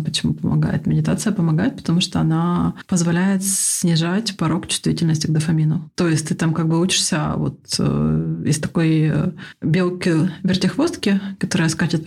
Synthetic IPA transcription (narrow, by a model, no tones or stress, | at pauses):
pət͡ɕɪmupəmɐ̰ɡa̰jɪ̰t̪mʲɪdʲɪt̪at̪sɨjəpəmɐɡajɪt̪̚pə̥t̪ɐmuʂt̪oɐnapəzvɐlʲæjɪt̪sʲnʲɪʐatʲpɐɾo̞kt͡ɕʊ̥st̪vʲitʲɪlʲnəsʲtʲɪɡd̪əfɐmʲinət̪o̞jɪsʲtʲt̪ɨt̪amkaɡ̚bɨut͡ɕɪ̥ʂsʲə̰vo̞̰t̪ə̰ɪst̪ɐko̞jəbʲe̞lˠkəvʲɪrt̪ʲɪxvo̞st̪kʲɪkɐt̪o̞ɾəjəskat͡ɕɪt̪